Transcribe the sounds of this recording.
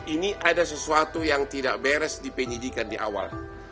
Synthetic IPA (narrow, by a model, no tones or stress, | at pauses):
iniʔadasəsuat̪ujaŋt̪ida̰ʔbɛɾɛsdipəɲidikandiʔa̰wa̰l